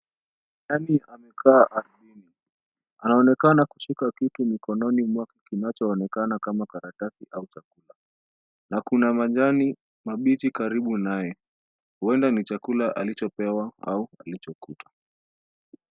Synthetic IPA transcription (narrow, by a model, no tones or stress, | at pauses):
naniʔamɛkʰaːʔaɾɓini | anaɔnɛkanaku̥ʃikakitumikɔnɔnimwakikinat͡ʃɔːnɛkanakamakaɾatasiʔaut͡ʃakula | nakunamad͡ʒani | maɓitikaɾiɓunajɛ | huɛndanit͡ʃakulaʔalit͡ʃɔpɛwaa̰ualit͡ʃɔkutḁ